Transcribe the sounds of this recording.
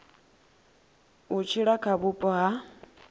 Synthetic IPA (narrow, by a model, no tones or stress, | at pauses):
ut͡ʃʰiɺakʰaβupʼɔɦa